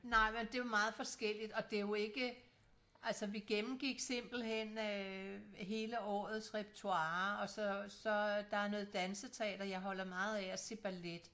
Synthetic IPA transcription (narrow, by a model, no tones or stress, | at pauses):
nɑ̈ɪ̰mend̥e̝ʋɑ̈mɑ̈ːð̞̩ˠfɒ̽sɡ̥el̰id̥ɒ̽d̥e̝jo̝e̝ɡ̥ə | ʔælsəʋiɡ̥emm̩ɡ̥iɡ̥se̝m̰b̥l̩ɦen̰ø | ɦe̝ːləɒ̰ːð̞̩ˠsʁɛb̥̚t͡sʰuɑ̈ːɒ̽sɒsɒ̽d̥ɑ̈æɐnɔ̽ːð̩ˠd̥ænsət͡sʰeɛ̰ːd̥ɐjɑ̈ɪɦɒ̽l̰ɐmɑ̈ːð̩ˠɛæse̝b̥æled̥